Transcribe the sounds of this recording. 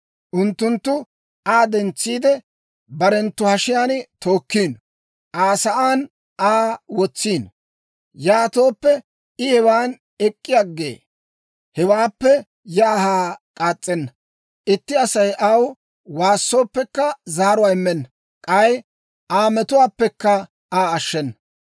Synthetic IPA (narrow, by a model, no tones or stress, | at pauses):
ʔʊnt̪ːʊnt̪ːʊ | aːd̪ɛnt͡sːiːd̪ɛ | bɐɾɛnt̪ːʊhɐʃɪjaːnt̪o̞ːkːiːn | ʔaːsɐʔaːn | ʔaːwɔt͡sːiːn | jaːt̪o̞ːpːɛ | ɪhɛwaːn | ɛkʼːɪjaɡːḛː | hɛwaːpːɛ | jaːhaːkʼaːt͡sʼːɛnːɐ | ʔɪt̪ːɪɐsɐjʔɐw | waːsːo̞ːpːɛkːɐzaːɾʊwaːɪmːɛnːɐ | kʼɐj | ʔaːmɛt̪ʊwaːpːɛkːɐ | aːɐʃːɛnːɐ